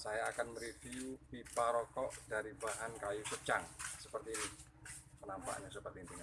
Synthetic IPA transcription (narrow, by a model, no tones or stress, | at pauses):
sajaːkanməɾefiupipaɾɔkɔʔdaɾibaɦankajusət͡ʃaŋsəpərt̪iːni | pənampa̰ʔɲasəpərt̪iːnt̪iŋa